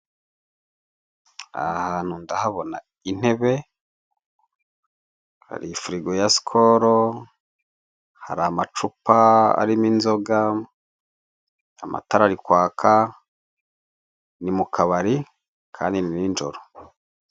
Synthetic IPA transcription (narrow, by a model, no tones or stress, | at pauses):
a̰haːn̥hundahaβo̞na̰ | in̥he̞βe̞ | ha̰ɾifuɾiɡojasi̥kʰoɾo | haɾaːmat͡ʃupaa̰ɾiminzo̞ɡa | amʔa̰taɾaɾikwaːkʰa | nimukʰaβaɾi | kʰa̰ːndinnind͡ʒo̞̰ɾo